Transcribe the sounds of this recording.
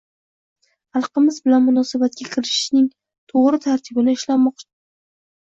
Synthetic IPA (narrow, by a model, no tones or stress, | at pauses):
ɑlˠqɨmɪzbɪlanmʊnɒsabat̪̚kʲakʲʰɪɾɪʃʃnɪŋ | t̪ʰoʁɾɪt̪ʰaɾt̪ʰɪbɪnɪɪʃlanmɒqt͡ʃʰɪ